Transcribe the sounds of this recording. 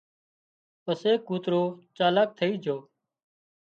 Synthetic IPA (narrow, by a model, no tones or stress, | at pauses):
pəseːkuːt̪ɾoːt͡ʃaːlaːk̚t̪ʰəiːd͡ʒʱoː